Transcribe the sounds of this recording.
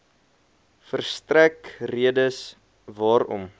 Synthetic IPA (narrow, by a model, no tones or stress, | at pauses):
fərstrækriədəs | vɑːɾɔ̰m